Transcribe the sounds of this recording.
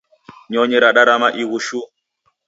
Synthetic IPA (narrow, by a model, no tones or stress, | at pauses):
ɲɔɲɛɾaɗaɾamaʔiɣuʃu